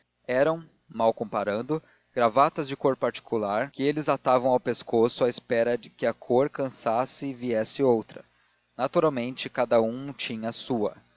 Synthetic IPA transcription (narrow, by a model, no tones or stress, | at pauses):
ɛɾɐ̃w̃ | mawkõpaɾɐ̃nd̪ʊ | ɡ̥ɾavat̪ɐzd͡ʒɪkoɾpaɾt͡ʃi̥kulaɾkɪelɪzat̪avɐ̃w̃awpeskosʊaɪspɛɾɐd͡ʒɪkɪɐkʰoɾkɐ̃sasɪːviɛsɪowt̪ɾɐ | nat̪uɾawmẽnt͡ʃɪkad̪ɐũt͡ʃĩɲɐːsuɐ̰